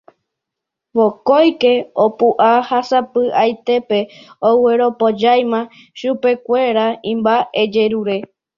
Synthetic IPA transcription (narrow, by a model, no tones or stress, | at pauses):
ʋokojke̞opuʔahasapɨʔajt̪e̞pe̞oweɾo̞pod͡ʒajmã | ʃupe̞kʷe̞ɾaĩmbaed͡ʒe̞ɾuɾe̞